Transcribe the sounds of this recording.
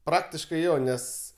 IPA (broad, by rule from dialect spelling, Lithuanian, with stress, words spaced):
ˈprɑːktʲɪʃkɐɪ ˈjoː ˈnʲɛs